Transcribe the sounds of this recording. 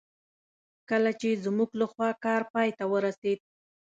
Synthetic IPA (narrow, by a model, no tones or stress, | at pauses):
kəlat͡ʃezmuɡlaxwɑkɑɾpɑjt̪awəɾased̪̚